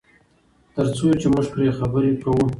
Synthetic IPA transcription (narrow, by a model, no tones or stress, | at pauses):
t̪əɾt͡sot͡ʃeməʒpɾexabəɾekawu